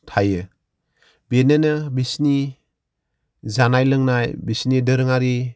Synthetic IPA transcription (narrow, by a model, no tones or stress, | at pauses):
tʰajɯ | benenɯbisni | zanajlɯŋnajbisnidɯɾɯŋaɾi